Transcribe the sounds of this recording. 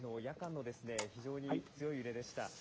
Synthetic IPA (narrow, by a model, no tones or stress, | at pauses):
no̞jakãnːo̞d̪e̞sɨne̞çiʑo̞ːɲ̟it͡sɨjo̞iɯ̟ɾe̞d̪e̞ɕi̥t̪a̰